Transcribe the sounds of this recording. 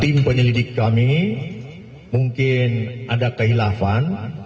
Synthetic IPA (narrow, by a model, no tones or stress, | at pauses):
t̪impəɲəlidɪkːami | muŋkɪnʔadakəɦilafan